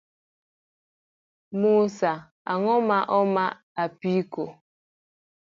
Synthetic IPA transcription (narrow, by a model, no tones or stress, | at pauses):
musa | a̰ŋɔmaʔɔma | apiko